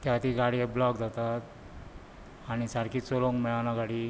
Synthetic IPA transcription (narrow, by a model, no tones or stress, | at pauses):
t̪jat̪iːɡaɽiblɔkd͡zat̪at̪ | aɽ̃isaɾkiːt͡soloŋmɛanaɡaɽiː